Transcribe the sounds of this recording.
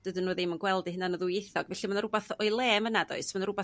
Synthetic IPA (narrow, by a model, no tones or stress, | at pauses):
d̥ədənːuːðɪmənɡwɛlˠdɨhɪnanəðʊjeθɔɡvɛɬimanɾʊbaθɔɨlˠeːmənadɔ̰ɨsmanɾʊba